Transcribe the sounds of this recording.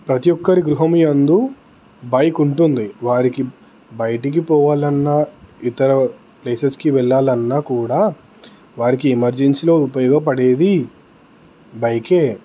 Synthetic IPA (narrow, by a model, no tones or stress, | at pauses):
pɾɐt̪ijɔkːɐɾiɡɾuɦɐmujɐnd̪u | bɐjkuɳʈund̪iʋaːɾiki | bɐjʈik̬ipɔːʋaːlɐnːɐit̪ɐɾɐ | pleːseskiʋɛɭːaːlɐnːaːkuːɽaː | ʋaːɾikiemɐɾd͡ʒenslo̞ːupɐjɔːɡɐp̬ɐɽe̞ːd̪i | bɐjkeː